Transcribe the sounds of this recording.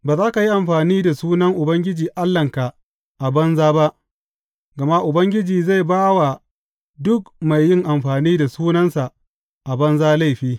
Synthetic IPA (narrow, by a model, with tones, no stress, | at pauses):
baː˨zaː˦ka˨ji˦ʔa˨mɸaː˨niː˦da˨suː˦nɐ˦ŋʔʊ˨bɐ˦ŋɡʲɪ˦d͡ʒiː˨ʔa˦lːɐ˨ŋka˨ | ʔa˨bɐ˦nzaː˦ba˦ʔ | ɡɐ˨ma˦ʔʊ˨bɐ˦ŋɡʲɪ˦d͡ʒiː˨za˦˨jbaː˦wa˨ | dʊ˦kma˨jːɪ˦ŋʔa˨mɸaː˨niː˦da˨suː˦nɐ˦nsa˨ | ʔa˨bɐ˦nzaː˦la˦˨jɸiː˦